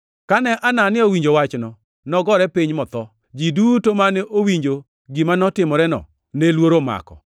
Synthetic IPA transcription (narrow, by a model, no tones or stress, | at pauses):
kanɛʔananɪowiɲd͡ʒowat͡ʃnɔ | nɔɡɔɾɛpiɲmɔt̪ɔ | d͡ʒidutomaneʔowiɲd͡ʒo | ɡimanɔtɪmɔɾɛnɔ̰ | nelwoɾoma̰kɔ̰